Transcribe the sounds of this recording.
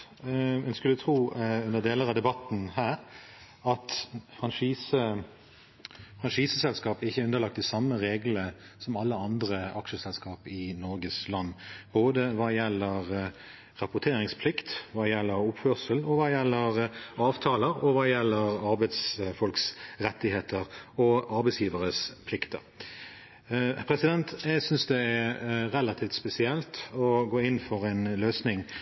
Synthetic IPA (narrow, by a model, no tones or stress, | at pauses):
ɛnskʉlʉt̪ʰʁuːʉnəʁd̪eːləɾɑd̪ɛbɑt̪n̩hæːɾ | ɑt̪fʁɑnʂiːsə | fʁɑnʂiːsəsɛlskɑːpəɪçːəæɾʉnəlɑk̚t̪ɪsɑmːəʁeːɡlə | sɔmɑlːəɑnd̪ʁəʔɑkʂəsɛlskɑːpɪnɔɾɡəslɑnːboːd̪əʋɑːjɛlːəʁ | ʁɑpʊt̪ʰeːɾɪŋspʰlɪkt̪ʋɑːjɛlːəɾʊpfœsəlɔʋɑːjɛlːəʁɑːʋt̪ʰɑːləɾɔʋɑːjɛlːəɾɑɾbæɪd̪sfɔlksɾɛt̪ːɪheːt̪ʰəɾɔʔɑɾbɛɪsjiːʋəɾəspʰlɪkt̪ə̰ɾ | pʰɾɛsɪd̪ɛnt̪jɛɡsʏnsd̪ɛæɾɛlːɑt̪ʰiːft̪spɛsɪɛlt̪ɔɡoːɪnːfɔɾɛnløːsnɪŋ